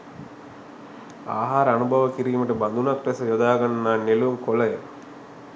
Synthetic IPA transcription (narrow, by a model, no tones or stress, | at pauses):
a̰ːɦaːɾəanubʱaʋəkiɾiːməʈəband̪unakʈɛsəjod̪aːɡanːaːnelumkolajə